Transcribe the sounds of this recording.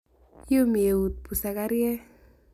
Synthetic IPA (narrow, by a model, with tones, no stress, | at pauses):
jo˦m˨e˨u˨t̪̚pu˨sa˨ka˦ɾjɛ˦